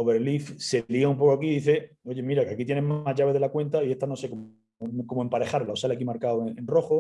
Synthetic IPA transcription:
oβe̞ɾlifse̞lioumpo̞koakiðiθe̞ | o̞ʝe̞miɾakeakit̪je̞nemazʝaβe̞ðe̞lakwe̞nt̪aie̞st̪ano̞se̞kom | komoe̞mpaɾe̞xaɾlaosalakimaɾkaweẽnro̞xo

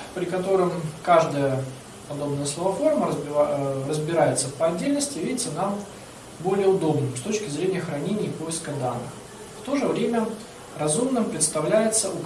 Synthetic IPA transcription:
pɾʲɪkɐt̪o̞ɾɨmkaʐd̪əjə | pɐd̪o̞bnəjəslˠəvɐforməəzʲɪrəzbʲɪɾajɪt̪səfpəɐdʲːelʲnəsʲtʲɪvʲiɪt̪sənam | bo̞lʲɪjəʊd̪o̞bnɨmst̪o̞t͡ɕkʲɪzɾʲenʲɪjəxɾɐnʲenʲɪːpo̞jɪskəd̪anːɨ̰x | ft̪o̞ʐɨvɾʲemʲə | rɐzumnɨmpɾʲɪt̪st̪ɐvlʲæjɪt̪səʔʊk

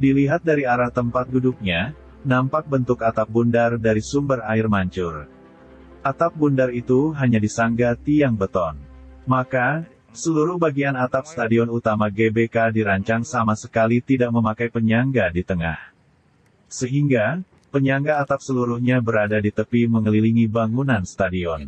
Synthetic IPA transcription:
diliɦat̪̚daɾiaɾaht̪əmpat̪̚ɡuduk̚ɲa | nampak̚bənt̪ʊkat̪ap̚bundardaɾisumbəraɪrmaɲt͡ʃʊr | ʔat̪ap̚bundarit̪uɦaɲadisaŋɡat̪iaŋbət̪ɔn | maka | səluɾʊhbaɡianat̪ap̚st̪adiɔnut̪amaɡebekadiɾaɲt͡ʃaŋsamasəkalit̪idak̚məmakajpəɲaŋɡadit̪əŋa̰h | səɦiŋɡa | pəɲaŋɡaːt̪ap̚səluɾuhɲabəɾadadit̪əpiməŋəliliŋibaŋunanst̪adiɔn

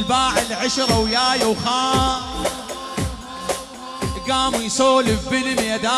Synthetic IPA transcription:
lbaːʕɪlʕaʃɾˤɑwjaːjawxaː | ɡaːmujsoːlɪfbɪlmjad̪aː

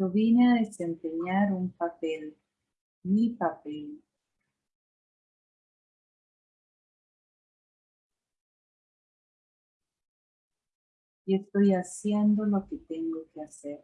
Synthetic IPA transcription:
oβjeneaðesempeɲaɾumpapel | mipapel | est̪o̞jasjend̪oloket̪eŋɡokeaseɾ

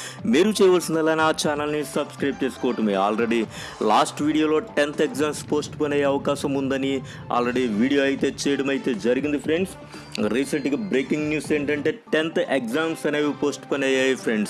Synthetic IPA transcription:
meːɾut͡ʃɛːjɐʋɐlsind̪ɐlaːnaːt͡ʃaːnɐlnisɐbskɾɐjb̚t͡ʃe̞ːsu̥koʋɐʈɐmeːa̰ːlre̞ɽi | laːsʈʋiːɽijoːlo̞ːʈent̪ʰekzaːmspo̞ːsʈponeːjeɐʋɐkaːʃɐmund̪ɐni | a̰ːlɾe̞ɽiʋiːɽijo̞ːɐjit̪e̞ːt͡ʃɛːjɐɽɐmɐjt̪e̞ːd͡ʒɐɾiɡind̪ipʰɾe̞ɳɖs | ɾiːsɐɳʈɡaːbɾeːkiŋɡnjuːse̞ːɳʈɐɳʈe̞ːʈent̪ekzaːmsɐneːʋipo̞ːsʈpɐnaːjaːjipʰɾeɳɖs

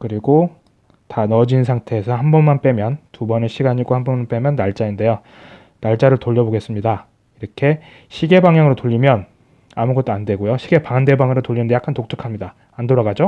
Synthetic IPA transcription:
kɯɾiɡo | tanʌd͡ʑinsʰaŋtʰe̞ːsʰʌhambʌnmanp͈e̞mjʌntubʌneɕʰiɡaɲiɡahanbʌnmanp͈e̞mjʌnːaɭt͡ɕ͈ainde̞jo | naɭt͡ɕ͈aɾɯɭtoʎːʌboɡe̞s͈ɯmɲida | iɾʌkʰe̞ | ɕʰiɡe̞baŋjaŋɯɾotoʎːimjʌn | amuɡʌt͈̚oandwe̞ɡojoɕʰiɡe̞paŋande̞baŋɯɾotoʎːinɯndeak͈antok̚tʰɯ̥kʰamɲidaː | ndoɾaɡad͡ʑo

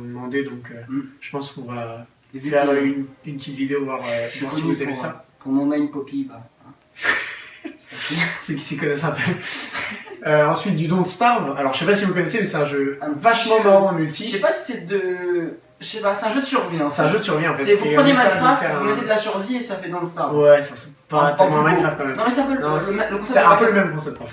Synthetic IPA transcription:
d̪əmɑ̃d̪ed̪ɔ̃køʒ̥ə̥pɑ̃spuʁø | evyynynt̪ʰit̪vid̪eovwaʁøvwaʁsivuzavesa | ɔ̃nɑ̃naynpɔpibaɛ̃ | saspusøkʲi̥sikɔnɛsɛ̃pø | øɑ̃sɥit̪̚d̪yd̪ɔ̃d̪əst̪aʁvalɔʁʒəʃsɛpasivukɔnɛsemɛsɛt̪ɛ̃ʒø̃vaʃmɑ̃maʁɑ̃mylt̪iʃɛpasi̥sɛd̪ə | ʃʃɛpasɛt̪ɛ̃ʒød̪əsyʁviɑ̃sɛɛ̃ʒød̪əsyʁviɑ̃ffɛt̪sɛpmjemaʁatɛ̃vumet̪ed̪əlasyʁviesafɛd̪ɔ̃d̪əst̪awɛsasɛ̥ | pat̪ɛ̃mɛmaʁat̪kɑ̃mɛmnɔ̃mɛseɛ̃pølnɔ̃ɛləkɔ̃sɛsɛɛ̃pøləmɛmkɔ̃sɛp̚t̪ɑ̃fɛ

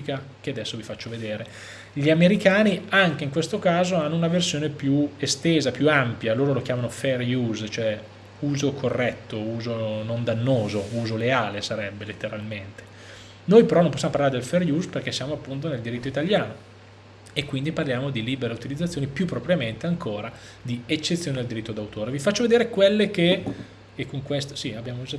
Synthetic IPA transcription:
kakead̪ɛsːovifat͡ʃːoved̪eːɾe | ʎiameɾikaːniaŋkeiŋkwest̪okaːzoanːounaversjoːnepjuest̪eːzapjuampjaloːɾolokjaːmanofɛrjuzt͡ʃoɛ | uːzokʰorːɛt̪ːouːzonond̪anːoːzouːzoleaːlesaɾɛbːelet̪ːeɾalment̪e̥ | nojpeɾɔnːõmposːjamopaɾlaɾed̪elferjusperkesːjaːmoapːunt̪oneld̪iɾit̪ːoit̪aljaːno | ekːwind̪iparljaːmod̪iliːbeɾeut̪ilid̪zːat̪sːjoːnipjupːɾopɾjament̪eaŋkoːɾa | d̪iet͡ʃːet̪sːjoːned̪ald̪iɾit̪ːod̪awt̪oːɾevifat͡ʃːoved̪eːɾekwelːeke | ekːoŋkwest̪osiabːjaːmod͡ʒ

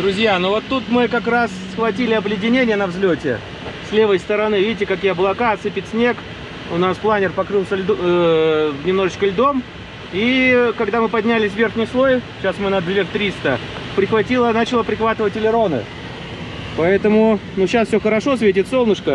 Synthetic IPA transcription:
d̪ɾʊzʲjanovo̞t̪ːut̪mɨkɐkɾasːxvɐtʲilʲɪɐblʲɪdʲɪnʲenʲɪjənɐvzlʲotʲɪ̰ | slʲe̞vəjst̪əɾɐnɨvʲidʲɪtʲɪkɐk̬ʲijəɐblˠɐkaɐt̪sɨpʲɪt̪ʲsʲnʲek | ʊnasplˠanʲɪrpɐkɾɨlˠsʲəlʲ | vnʲɪmno̞ʐɨt͡ɕkəlʲd̪o̞m | ikɐɡd̪amɨpɐdʲnʲælʲɪsʲvʲe̞rxnʲɪjslˠo̞jɕasmɨnɐd̪lʲert̪ɾʲist̪əpɾʲɪxvɐtʲilˠənat͡ɕɪlˠəpɾʲɪxvat̪ɨvətʲɪlʲɪɾo̞nɨ̰ | pɐɛt̪əmʊnuɕasfsʲoxəɾɐʂo̞s̬ʲvʲet̬ʲɪt̪so̞lˠnəʂkə

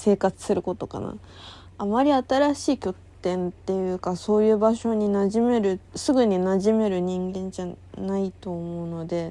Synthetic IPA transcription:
se̞ːkat͡sɨ̥sɨɾɯ̟ko̞t̪o̞ka̰na̰ | amaɾʲiat̪aɾaɕiːkʲo̞t̪ːẽ̞nt̪e̞jɯ̟ːkaso̞ːjɯ̟ːbaɕo̞ɲ̟inaʑime̞ɾɯ̟sɨɡɯ̟ɲ̟inaʑime̞ɾɯ̟ɲ̟ĩŋɡẽ̞ɲ̟d͡ʑanait̪o̞ːmo̞ɯ̟no̞d̪e̞

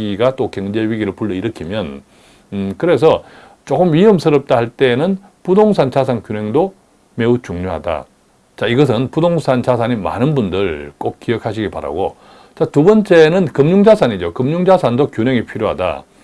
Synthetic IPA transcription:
iɡat͈okeŋd͡ʑe̞ɥiɡiɾɯɭpuɭːʌiɾʌkʰimjʌn | kɯɾe̞s̬ʰʌ | t͡ɕ͈okɯmɥiɯmsʰɯɾʌp̚t͈ahaɭt͈e̞ːnɯn | pudoŋsʰant͡ɕas̬ʰaŋkjuneŋdo | me̞ut͡ɕuŋɲoɦada̰ | t͡ɕaiɡʌs̬ʰɯnpudoŋsʰant͡ɕas̬ʰaɲima̰nɯnbundɯɭk͈ok̚k͈iʌkʰaɕ̬ʰiɡipa̰ɾa̰ɡo̰ | t͡ɕatubʌnt͡ɕ͈e̞nɯnkɯmɲuŋd͡ʑasʰaɲid͡ʑokɯmɲuŋd͡ʑasʰandokjuneŋipʰiɾjoɦada̰

